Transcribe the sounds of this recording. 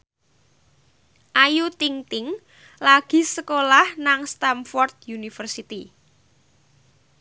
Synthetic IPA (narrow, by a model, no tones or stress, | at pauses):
ʔajut̪iŋt̪ɪŋ | laɡ̥i̤səkolahnaŋst̪amfɔrt̪̚junifərsit̪i